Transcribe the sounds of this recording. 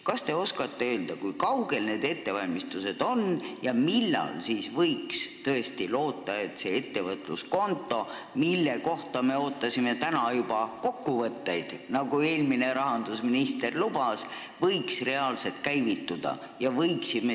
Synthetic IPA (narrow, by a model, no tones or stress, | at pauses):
kɑst̪e̞o̞skɑt̪ːe̞øːld̪̥ɑkujkɑwɡ̥e̞lne̞ːd̪e̞t̪ːe̞vɑlʲmist̪use̞d̪̥o̞njɑmilːɑ̰lsiːsvɤ̞jkst̪ɤ̞e̞st̪ilo̞ːt̪ˑːɑe̞t̪se̞et̪ːe̞vɤt̪ːˑlṵsko̞nt̪ˑːo̞ | milːe̞ko̞ht̪ɑme̞o̞ːt̪ːˑɑsime̞t̪ænɑjub̥ɑko̞kːuvɤt̪ːe̞jd̪̥nɑɡue̞ːlmine̞ɾɑɦɑnd̪usminist̪e̞rlub̥ɑs | vɤjksre̞ɑːlse̞t̪̚kæjvit̪ːud̪̥ɑ̰ | jɑvɤjksime